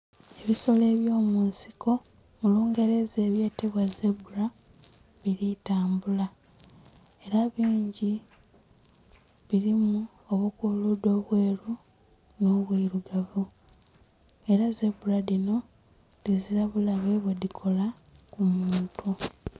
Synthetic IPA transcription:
e̞βiso̞le̞ːβjo̞ːmuːnsi̥ko̞ | muluːŋɡe̞ɾe̞ze̞ːβje̞ːteβwazebuɾa | βiɾitaːmbula | e̞ɾaβiːɲɟi | βiɾimu | oβukuludo̞βwe̞ːɾu | no̞ːβwiɾuɡavu | e̞ɾaze̞buɾaðino̞ | dizilaβulaβe̞βwedikʰo̞la | kumuːntu

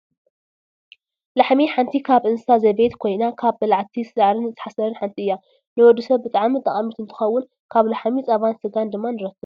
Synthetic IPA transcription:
laħmiħant̪ʰikʰaβʔɨnsazɐβet̪kʰo̞jnakʰaβbɐlaʕt̪ʰisɨlaʕɾɨnɨt̪ʰːɨ̥ħasɐɾɐnħant̪ʰiɨjːa | nɨwɔd̪ːusɐβbɨt̪ʼaʕmit̪ʼɐχʼɐmit̪ɨnt̪ʰɨ̥xɐwːʊn | kʰaβlaħmit͡sʼɐβansɨɡand̪ɨmːanɨɾɐt̪ʰːɨ

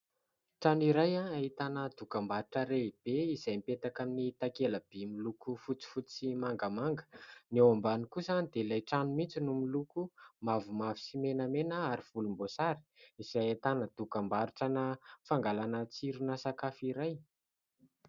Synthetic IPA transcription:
ʈ͡ʂaniɾajaaɦit̪anəd̪ukambaɾuʈ͡ʂəɾeb̥eiz̥ajmipet̪akaminiit̪akeləb̥emilukufut͡si̥fut͡simaŋɡəmaŋɡə̥newambanikusand̪elajʈ͡ʂanumit͡sinumilukumavumavi̥simenamenəaɾiv̥ulumbosaɾi̥iz̥ajat̪anəd̪̥ukambaɾuʈ͡ʂənəfaŋɡalanət͡siɾunasakafiɾaj

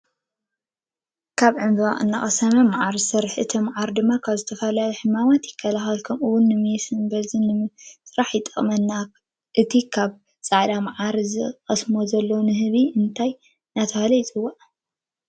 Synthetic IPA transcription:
kʰaβʕɨmbɨβaʔʼɨnːaχʼɐsɐmɐmaʕaɾsɐɾħɨt̪ʰimʕaɾd̪ɨmːakʰaβzɨt̪ʰɐfɐlajiħɨmamat̪jɪkʰːɐlaxɐlkʰomɨwʊnːɨmɨjsɨnbɐzɨnːɨsɨɾaħjɪt̪ʼːɐχʼmɐnːa | ʔɨt̪ʰikʰaβ | t͡sʼaʕd̪amʕaɾzɨqʼɐsmozɐlːonɨɦɨβiɨnt̪ʰaj | nat̪ʰɐhɐlɐjt͡sʼɨwːa

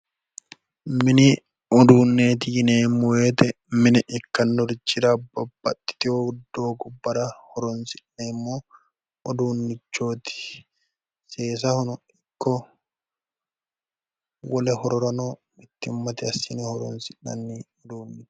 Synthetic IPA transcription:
mɪnɪ | ɔd̪uːnːeːt̪ɪjɪneːmːɔweːt̪ɛ | mɪnɛʔɪkːɐnːɔɾɪt͡ʃːɪɾabɐbːɐt̪ːɪ̥t̪ɪod̪oːɡʊbːɐɾɐhɔɾɔnsɪnnemːoː | ɔd̪uːnːɪt͡ʃːoːt̪ɪ̥ | seːs̬ɐhʊnɔ | ɪkːɔ | wɐlɛhɔɾɔɾɐnoː | mɪt̪ːɪmːɐt̪ɪɐsɪnɛhɔɾɔ̰nsɪnːɐ̰nːiɔd̪uːnːɪt̪

